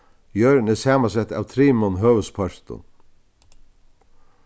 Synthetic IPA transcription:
jœːɾnɪsæːmasɛt̪ːa̰ːʋt̪ʰɾiːmɔnɦøːʋəspʰɔɹt̪ʊ̰n

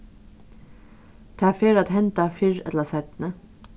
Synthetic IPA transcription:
t̪ʰɑːfeːɾɑːt̪hɛnt̪ɑfʏɹɛ̰t̪ləsæɪt̪n̩ə

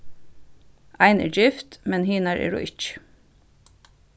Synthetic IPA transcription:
ʔæɪnḛːd͡ʒɪft̪mɛnhiːnæːɾʔḛːɹʊ̰ːʔɪt͡ʃ

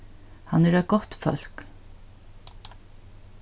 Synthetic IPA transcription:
hɑnæɾɛt̪̚ɡ̥ɔt̪fœ̰lk

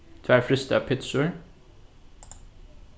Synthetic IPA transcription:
t̪ʰʋæːɹfɾʏst̪əɑpʰɪt̪sʉːɳ

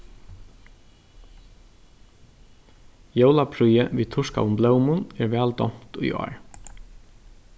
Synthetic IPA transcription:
jœwlapʰɾujəʋiːt̪ʰʊʂka̰ʊmblœwmʊnɛɹʋɛːld̪ɔm̥t̪ujʔɔ̰ːɹ

